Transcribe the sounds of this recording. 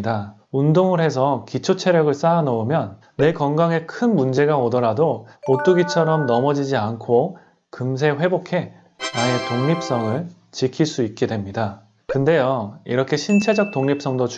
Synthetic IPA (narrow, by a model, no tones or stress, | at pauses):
da | undoŋɯɾɦe̞s̬ʰʌkit͡ɕʰot͡ɕʰe̞ɾjʌɡɯɭs͈aːnʌomjʌnː | e̞kʌŋɡaŋe̞kʰɯnmund͡ʑe̞ɡaodʌɾadoot͈uɡit͡ɕʰʌɾʌmnʌmʌd͡ʑid͡ʑiankʰo | kɯms̬ʰe̞ɸwe̞bokʰe̞ | nae̞toŋɲip̚s͈ʌŋɯɭ | t͡ɕikʰiɭs͈uik̚k͈e̞dwe̞mɲida | kɯnde̞joḭɾʌkʰe̞ɕʰint͡ɕʰe̞d͡ʑʌk̚t͈oŋɲip̚s͈ʌŋdot͡ɕ